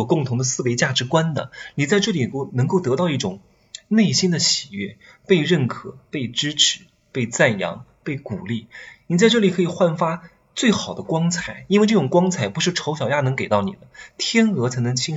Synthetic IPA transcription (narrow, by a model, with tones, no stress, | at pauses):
kʊ˥˩ŋt̪ʰʊ˧˥ŋd̪ə˧sɹ̩˥˩pe˧˥ɪt͡ɕja˥˩ʈ͡ʂɻ̩˧˥kwa˥nd̪ə̰˨ni˨˩t͡sa˥˧ɪʈ͡ʂɤ˥˩li˨˩˥nɤ˧˥ŋko˥˩ʊt̪ɤ˧˥t̪ɑ˥˧ʊi˥˩ʈ͡ʂʊ˨˩˦ŋ | ne˥˩ɪɕi˥nd̪ə˨ɕi˨˩ɥɛ˥˩ | pe˥˧ɪɻə˥˩nkʰɤ˨˩pe˥˩ɪʈ͡ʂɻ̩˥ʈ͡ʂʰɻ̩˧˥˦ | pe˥˧ɪt͡sa˥˩njɑ̰˧˥ŋpe˥˩ɪku˨˩li˥˩ni˨˩t͡sa˥˧ɪʈ͡ʂɤ˥˩li˨˩kʰɤ˧˥i˨˩xwa˥˩nfa˥ | t͡swe˥˩ɪxɑ˨˩ʊd̪ə˦kwɑ˥ŋt͡sʰa˨˩ɪi˥n˥wɪʈ͡ʂɤ˥˩ʈ͡ʂʊ˨˩ŋkwɑ˥ŋt͡sʰa˨˩ɪpu˧˥ʂɻ̩˥˩ʈ͡ʂʰo˧˥ʊɕjɑ˨ʊja˥˩nɤ˧˥ŋke˨˩ɪt̪ɑ˥˩ʊnḭ˨˩d̪ə˦t̪ʰjɛ˥nɤ˧˥t͡sʰa˧˥ɪn˧˥ŋt͡ɕʰi˥